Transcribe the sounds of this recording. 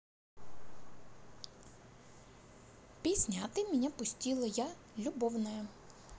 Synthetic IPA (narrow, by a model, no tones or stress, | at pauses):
pʲizʲnʲat̪ɪmʲɪnʲapʊsʲtʲilˠɐjalʲubɔwnɐjɐ